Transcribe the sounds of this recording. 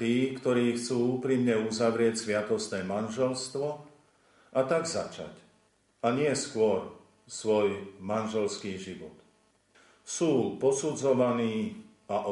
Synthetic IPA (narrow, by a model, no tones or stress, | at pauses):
t̪iːkt̪ɔɾiːxt͡suːuːpɾimɲɛuzaʋɾɪɛcsʋɪat̪ɔst̪nɛːmanʒɛlst̪ʋɔ | ʔat̪aɡza̰t͡ʃa̰c | aɲɪɛskʊɔɾ | sʋɔjmanʒɛlskiːʒiʋɔt̪ | suːpɔsud͡zɔʋaniː | aʔɔ